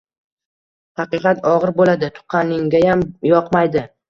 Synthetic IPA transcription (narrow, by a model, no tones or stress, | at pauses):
hɑqɨqʰɑt̪ɒʁɨɾbolad̪ɪt̪ʰʊ̥qʰːɑnɪŋɡʲajamjɒqmajd̪ɪ